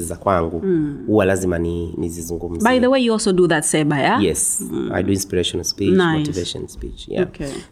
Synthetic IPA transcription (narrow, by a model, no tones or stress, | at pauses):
izakwaŋɡuhuwalazimaninizizuŋɡum̩zbaɪðəwejuɔlˠsoʊduðɨtsɛbajajɛsa̰jduĩnspiɹeʃɔnalspit͡ʃnamotiveʃɔ̰̃nspḭt͡ʃja̰oke